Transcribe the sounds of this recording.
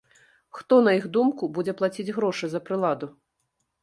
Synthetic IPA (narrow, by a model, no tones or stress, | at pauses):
xt̪ɔnɐjiɣd̪umkubud͡zʲɛplˠat͡sʲid͡zʲɣɾɔʂɨzɐpɾɨlˠad̪u